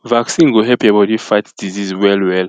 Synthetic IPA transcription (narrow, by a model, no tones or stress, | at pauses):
vaksĩŋɡuɦɛlpʰebɔdifatd̥izizwɛlwɛl